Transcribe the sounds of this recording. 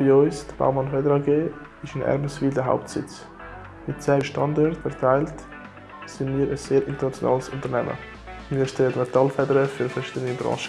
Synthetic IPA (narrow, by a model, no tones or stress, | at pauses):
b̥ioʏsd̥əb̥a̰ʊmɑnfɛdəɾɑɡeː | ɪʃənʔɛ̰ɾməsviːldəɦa̰ʊp̚tsɪ̰t͡s | mɪt̚t͡sɛːʃtɑndɔɾtfɛɾtʰaɪlt | sɪnmiːɾʔəsz̥eːɾɪntəɾnɑt͡sjo̰nɑ̰ːləsʊntəɾnɛmə̰ | miːɾʃtɛlətmɛtɑlfɛdəɾəfyːɾfɛɾʃiːdənibɾɑ̰̃ːʃə